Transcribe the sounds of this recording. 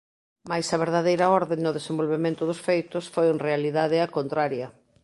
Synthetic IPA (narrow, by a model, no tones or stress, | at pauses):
majsɐβ̞eɾðaðejɾɐɔɾðennoðesẽmbolβemẽnt̪ʊðʊsfejt̪ʊsfojenrealiðaðɪɐkont̪ɾaɾjɐ